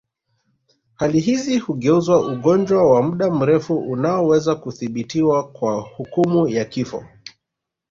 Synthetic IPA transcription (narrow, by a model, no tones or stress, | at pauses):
haliɦizihuɠɛuzwaʔuɠɔnd͡ʒwawamuɗam̩ɾɛfuʔunaɔwɛzakuθiɓitiwakwahukumujakifɔ̰